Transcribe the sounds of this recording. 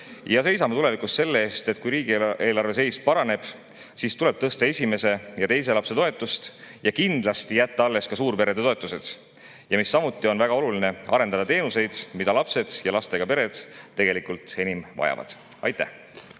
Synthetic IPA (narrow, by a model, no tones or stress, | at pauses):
jɑse̞jsɑme̞t̪ule̞vikˑust̪se̞lːe̞eːst̪e̞t̪̚ːˑkujɾiːɡ̥ieːlɑrve̞se̞jspɑɾɑne̞b̥ | sist̪ule̞b̥̚t̪ɤst̪ɑe̞sʲime̞se̞jɑt̪e̞jse̞lɑpse̞t̪o̞e̞t̪ːˑust̪jɑkind̪̥lɑst̪ijæt̪ːɑɑlːe̞skɑsuːɾpe̞ɾe̞d̪e̞t̪o̞e̞t̪ːˑuse̞d̪̥ | jɑmisːɑmut̪ːˑio̞nvæɡ̥ɑo̞luline̞ɑ̰ɾe̞nɑd̪ɑt̪e̞ːnuse̞jd̪̥mid̪̥ɑlɑpse̞d̪̥jɑlɑst̪e̞ɡ̥ɑpe̞ɾe̞d̪̥ːe̞ɡ̥e̞likult̪e̞nimvɑ̰jɑ̰vɑ̰d̪̥ɑ̰jt̪ːˑæ̰h